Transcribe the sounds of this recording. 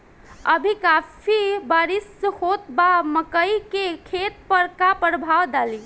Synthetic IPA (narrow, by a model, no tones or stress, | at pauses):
əbʱikapʰibaɾishot̪baməkəikekʰet̪̚pəɾkapɾəbʱaʋd̪ali